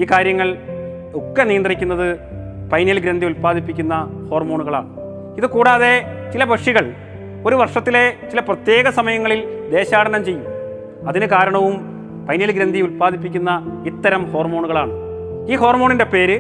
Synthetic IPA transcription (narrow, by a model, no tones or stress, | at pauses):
iːkaːɾjɐŋːɐɭ | okːɐnijɐnd̪rikʲːunːɐðɨ | pɐjnilɡɾɐnd̪ʱiulpaːðipːikʲːunːɐho̞ːrmo̞ːɳuɣɐɭa̰ːɳɨ | iðɨkuːɽaːðe̞t͡ɕilɐbʱɐʂiɣɐɭ | o̞ɾuʋɐrʂɐt̪ːile̞t͡ɕilɐprɐt̪je̞ːɣɐsɐmɐjɐŋːɐɭild̪e̞ːɕaːɽɐnɐmt͡ɕe̞jːum | ɐðinɨkaːɾɐɳɐʋum | pɐjnilɡɾɐnd̪ʱijulpaːðʱip̬ːikʲːunːɐit̪ːɐɾɐmho̞ːrmo̞ːɳuɣɐɭaːɳɨ | iːɦo̞ːrmo̞ːɳinde̞pe̞ːɾɨ